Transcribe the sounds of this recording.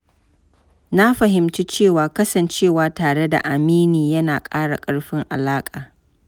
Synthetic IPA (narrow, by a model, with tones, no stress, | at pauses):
na˦ɸɐ˨ɦɪ˨mt͡ʃi˦t͡ʃeː˦˨waː˨kɐ˦sɐ˨nt͡ʃeː˦˨waː˨taː˨ɽe˦da̰˨ʔa˨miː˦niː˨jɐ˦naː˨kʼaː˦ɽa̰˨kʼɐ˦ɽɸɪ˦ŋʔa̰˨laː˦kʼaː˨